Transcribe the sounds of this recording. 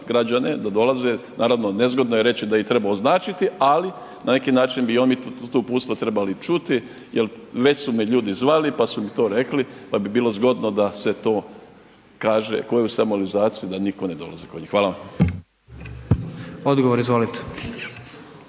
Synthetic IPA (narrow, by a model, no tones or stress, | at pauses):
ɡɾad͡ʒane̞d̪ad̪o̞lazenʔaːɾaʋnone̞zɡo̞d̪nojeɾe̞t͡ɕid̪ait̪ɾe̞baoznaːt͡ʃit̪iali | nane̞kinaːt͡ʃinbiomit̪uːpuːt̪st̪ʋat̪ɾe̞balit͡ʃut̪i | jelʋe̞sumiʎuːd̪izʋalipasumit̪o̞ːɾe̞klipabibiːlˠozɡo̞d̪no̞d̪ase̞t̪o̞ː | kaːʒḛko̞jeusamualizaːt̪sijid̪anikone̞d̪o̞lˠa̰zikoɲixʋaːlaʋam | od̪ɡoʋoɾizʋolit̪e̥